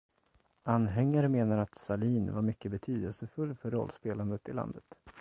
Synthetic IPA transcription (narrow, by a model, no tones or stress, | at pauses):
ʔanɦɛŋːaɾəmeːnaɾat̪saliːnvaɾmʏkːəbɛt̪ʰyːd̪əlsəfɵlːfœɾːɔ̰lːspeːland̪ət̪ɪla̰nd̪ət̪